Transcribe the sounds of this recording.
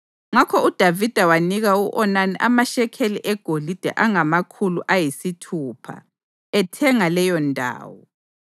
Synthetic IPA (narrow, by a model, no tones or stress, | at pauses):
ŋakʰɔud̥ʱavid̥ʱawaniɣauʔɔnaniʔamaʃɛkʰeliʔɛɡ̥ʱolid̥ʱɛ̰ʔaŋamakʰuluʔajisitʰuːpʰa̰ | ɛtʰɛŋalɛjɔndʱa̰ːwɔ